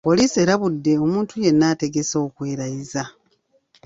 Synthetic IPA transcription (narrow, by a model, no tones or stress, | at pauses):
po̞liːsie̞ːɾaβudːe̞o̞muːntuje̞nːaːte̞ɡe̞so̞ːkweːɾajiza